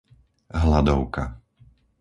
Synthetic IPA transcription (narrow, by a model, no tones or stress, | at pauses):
ɦlad̪ɔʊka